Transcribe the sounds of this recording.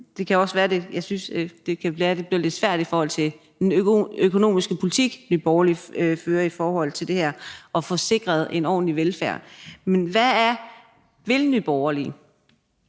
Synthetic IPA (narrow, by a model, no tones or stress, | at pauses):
d̥e̝kʰæɒ̽sʋæːɐde̝jɑ̈ɪsynsd̥e̝kʰææːɐd̥e̝b̥liɐle̝d̥sʋæɐ̰d̥ifɒːhɒ̽l̰t͡sʰe̝ | d̥enøkʰo̝no̝̰ːmisɡ̥əpʰo̝lit͡sʰiɡ̥nyb̥ɒʊɐliføːɐifɒːɦɒ̽l̰t͡sʰe̝ld̥e̝hæɐ̰ɒ̽fɒ̽se̝ɡ̥ʁɐð̞ˠe̝nɒ̰ːn̩liʋelfæɐ̰menʋææɐ | ʋelnyb̥ɒʊɐlḭ